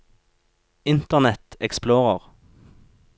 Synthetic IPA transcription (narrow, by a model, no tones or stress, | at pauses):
ɪnt̪əʁnɛt̪ɛksploːʁəʁ